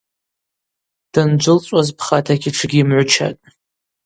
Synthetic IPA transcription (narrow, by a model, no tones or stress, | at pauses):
d̥and͡ʒʷʊlt͡sʷʼazpʰχatʰakʲiʈ͡ʂʰɨɡʲiːmʕʷʊt͡ʃʰa̰tʼ